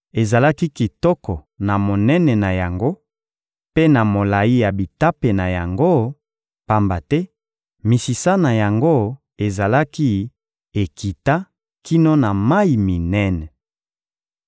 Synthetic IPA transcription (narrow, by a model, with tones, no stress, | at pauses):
e˨za˨la˦ki˦ki˨tɔ˦kɔ˨ | na˨mo˨nɛ˦nɛ˨na˨ja˨ŋɡo˦ | pe˦na˨mo˨la˨ji˦ja˨bi˨ta˦pe˨na˨ja˨ŋɡo˦ | pa˦mba˨tɛ˦ | mi˨si˨sa˦na˨ja˨ŋɡo˦ | e˨za˨la˦ki˦ | e˨ki˨ta˦ | ki˦no˦na˨ma˦i˨mi˨nɛ˦nɛ˨